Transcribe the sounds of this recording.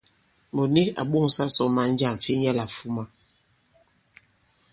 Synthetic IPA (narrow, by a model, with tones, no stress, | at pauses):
mo˨ni˦ka̰˨ɓo˦˨ŋ˨sa˦sɔ˨˦ma˨n̩˦d͡ʒa˦˨ɱ˨fi˦jɛ˦la˨fu˦ma˨